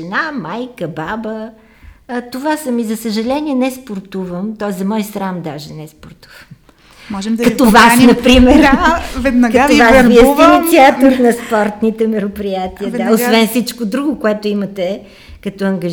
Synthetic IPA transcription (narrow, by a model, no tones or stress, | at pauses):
ɛnamajkəbabə | t̪ovasəmizɐsəʒɐlɛniɛnɛspoɾt̪uvəmt̪ɔɛszɐmɔjsɾamd̪aʒɛnɛspoɾt̪u̥vəm | mɔʒɛmd̪kɐt̪ovasnɐpɾimɛɾvɛd̪nɐɡkɐovasviəsst̪init̪siat̪oɾnɐspɔɾt̪nit̪ɛmɛɾopɾijat̪iəd̪aosvɛnfsit͡ʃkod̪ɾuɡʊkoɛt̪oimət̪ɛ | kɐt̪ɔɐŋɡə